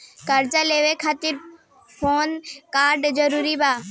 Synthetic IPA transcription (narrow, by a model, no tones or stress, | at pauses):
kɐɾd͡ʑaleːʋekʰaːt̪ɪɾ | fʰoːnkaːɾɖzɐɾuːɾibaː